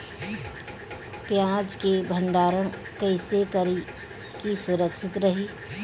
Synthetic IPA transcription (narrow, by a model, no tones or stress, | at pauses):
pjãːd͡ʒkebʱə̃ɳɖaːɾən | kəɪsekəɾi | kisʊɾəkʃɪt̪ɾəɦiː